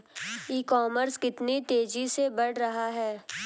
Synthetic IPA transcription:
iːkɔːməɾskɪt̪nit̪eːd͡ʒisebɐɽɾɐɦaɦɛː

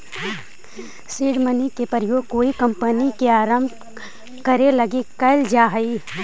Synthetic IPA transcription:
siːɽmənikepəɾjoːɡ̚koːikɐmpənikeaːɾəmb | kɐɾelɐɡekɐɪld͡ʒaːɦəiː

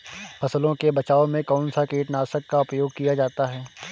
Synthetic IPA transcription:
fʰɐslõkebɐt͡ʃaːomẽkɔːnsakeːʈnaːsəkːaʊpjoːɡkijad͡ʒaːt̪aɦɛː

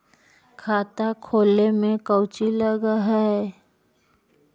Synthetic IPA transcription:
kʰaːt̪akʰoːlemẽkəʊt͡ʃiləɡaɦɛɛ

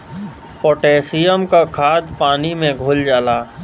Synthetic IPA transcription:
poːʈeːsijəmkakʰaːd̪paːnimẽɡʱʊld͡ʒaːlaː

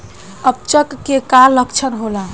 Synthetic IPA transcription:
əp̚t͡ʃəkːekalːəkt͡ʃʰənɦola

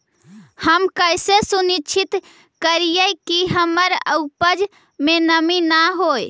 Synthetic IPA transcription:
həmkəjsesunit͡ʃʰit̪ | kəɾijəjkiɦəməɾə̰wpəd͡ʒ | menəminaɦoj

